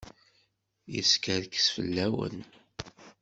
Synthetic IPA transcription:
jə̰skəɾkə̥sfə̰lːæwə̰n

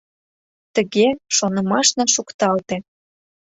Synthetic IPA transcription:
t̪əɣeʃonəmɑʃnɑʃukt̪ɑlt̪ĕ

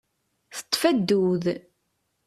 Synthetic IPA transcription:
θə̥t̪ˤːfæd̪ːuð

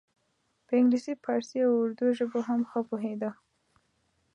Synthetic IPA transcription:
pəɪŋɡlisipʰɑɾseawʊɾd̪ujoʒəboɦamxəpoɦed̪a

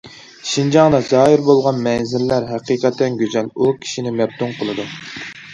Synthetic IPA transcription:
ʃind͡ʒɑŋd̪ɑzɑːɦiɾbolˠʁɑnmɛnzɪlːæɾɦɛqiːqɛt̪ʰːɛnɡʲøzɛlukʲʰi̥ʃinɪmɛb̚t̪uŋqʰəlˠɨd̪u

